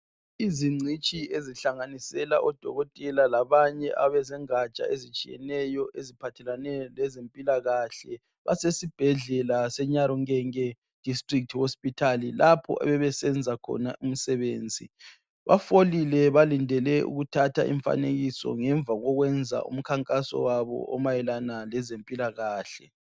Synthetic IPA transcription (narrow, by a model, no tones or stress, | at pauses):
iziŋ͡ǀʱit͡ʃʼieziɬaŋanisɛlaʔɔd̥ʱɔɣɔtʼɛlalaβaɲɛʔaβɛzɛŋat͡ʃʼa̰ezit͡ʃʼijɛ̰nɛjɔʔezipʰatʰɛlanɛlɛzempʼilaɣaɬɛ | βa̰sesib̥ʱɛɮɛlasɛɲaɾɔŋɛŋɛ | d̥ʱistʼrik̚tʰihospʼitʰalilapʰɔ̰ʔɛ̰βɛβɛsɛnd͡zʱakʰɔ̰naʔum̩sɛβeːnd͡zʱi | βa̰folilɛβalindʱɛlɛṵɣutʰatʰa̰ʔḭɱfa̰neɣisɔ̰ŋɛɱb̪vʱaɣɔɣwɛnd͡zʱa̰ʔṵm̩kʰaŋkʼasɔ̰waβɔ̰ʔɔmajɛlanalɛzempʼilaɣaːɬɛ